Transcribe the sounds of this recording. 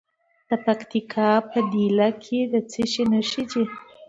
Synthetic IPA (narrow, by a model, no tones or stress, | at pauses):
d̪̥əpakt̪ikʰɑpəd̪ilakʰed̪ət͡siʃinəʃit͡ʃi